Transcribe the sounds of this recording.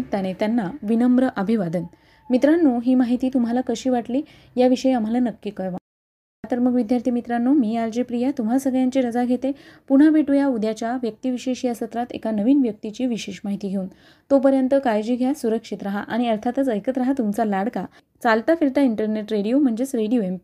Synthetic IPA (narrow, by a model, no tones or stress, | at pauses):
t̪añet̪janːaʋinəmbɾəʔəbʱiʋad̪ən | mit̪ɾanːuːɦiːmaɦit̪iːt̪um̤ɦalakəɕiːʋaʈliː | jaʋiɕəjam̤alanəkːiːkəɾʋa | at̪əɾməɡʋid̪ʱjaɾt̪ʰimit̪ɾanːuːmiːald͡ʑipɾijat̪um̤asəɡɭjãɲt͡ɕiːɾəd͡zaɡʱet̪epuɳ̤abʱeʈujaud̪ʱjat͡ɕjaʋjək̚t̪iːʋiɕeɕiːəsət̪ɾat̪ḛkanəʋiːnʋjək̚t̪it͡ɕiːʋiɕeɕmaɦit̪iːɡʱeuːn | t̪opəɾjənt̪əkajd͡ʑiːɡʱjasuɾəkʂit̪ɾaɦa̰ʔaɽ̃iəɾt̪ʰat̪ət͡səjkət̪ɾaɦat̪umt͡salaɽka | t͡salt̪afiɾt̪aiɳʈəɾneʈɾeɽijom̤əɳd͡zd͡ʑet͡sɾeɽijoemp